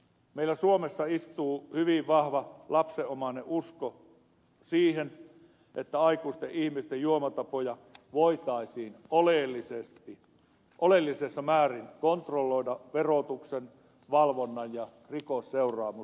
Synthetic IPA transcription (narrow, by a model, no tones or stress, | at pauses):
meilæsuomesːɑist̪uːhyʋiʋʋɑhʋɑlɑpseʔomɑneʔʔusko | siːhen | ʔet̪ːæɑikuːist̪eʔʔihmist̪ejjuomɑt̪ɑpojɑʋoit̪ɑisiːnoleˑlːisest̪i | ʔolelːisesːɑmæːrinkont̪rolːoidɑʋerot̪uksen | ʋɑlʋonːɑjjɑ | rikosːeurˑɑːmu